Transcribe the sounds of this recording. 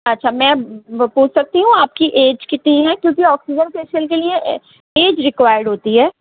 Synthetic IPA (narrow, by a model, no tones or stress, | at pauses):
ɐtːʃʰamɛ̃ːpuːt͡ʃʰsɐk̚t̪iɦũaːp̚kiʔeːd͡ʒkɪt̪niɦɛ̃kjõːkiɔːksid͡ʒənseːʃəlkeliẽ | eːd͡ʒɾɪkʋaːjəɾɖɦoːt̪iɦɛː